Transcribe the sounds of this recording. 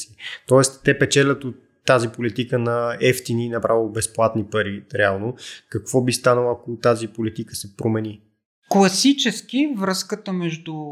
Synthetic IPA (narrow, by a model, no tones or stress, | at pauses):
sit̪ɔɛst̪ːɛpɛt͡ʃɛlʲət̪ot̪ːazipolit̪ikənɐɛft̪iniːnɐpɾʔavilˠbɛsplˠat̪nipɐɾiɾɛalˠnokɐkv̥ɔbist̪anəlˠɐkot̪azipolit̪ikəsɛpɾomɛni | klˠɐsit͡ʃɛskivɾəskət̪əmɛʒd̪u